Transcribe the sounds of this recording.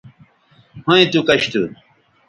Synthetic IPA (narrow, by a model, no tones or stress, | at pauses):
hõĩt̪ukɐɕt̪u